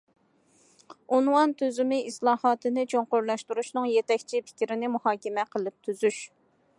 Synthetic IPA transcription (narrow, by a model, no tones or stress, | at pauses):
unwɑnt̪ʰøzymɪislˠɑːhɑːt̪ʰɨnɨt͡ʃʰoɴqoɾlˠɑʃt̪uɾuʃnɨŋjet̪ɛkʲt͡ʃʰipʰɪ̥kʲɾɪnɪmuhɑːkʲɛmɛqʰəlˠɨp̚t̪ʰyzyʃ